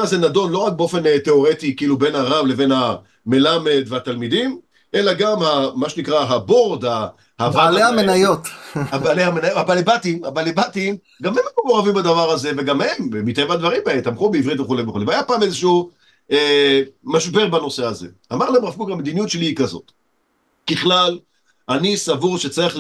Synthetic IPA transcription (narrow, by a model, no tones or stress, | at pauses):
azenado̞nlo̞ʁak̚beo̞fe̞nt̪e̞o̞ʁetikiilube̞nhaʁavleve̞nha | me̞lame̞d̪veat̪almid̪im | ʔe̞laɡamhamaʃenikʁaɦabo̞ʁd̪a | habaleamenajot̪abaalehamenajoabalebatimabaːlebatim | ɡamemumoʁavimbad̪avaʁaze̞veɡamhemmit̪aemad̪vaʁimbaemt̪amχubeivʁit̪veχulejveχulevajapaːmezeʃuu | emaʃbe̞ʁbano̞se̞azḛ | a̰maʁlaemʁafkukamed̪inijutʃeliikazo̞̰t̪ | kiχlal | anisavuʁʃet͡saʁiχ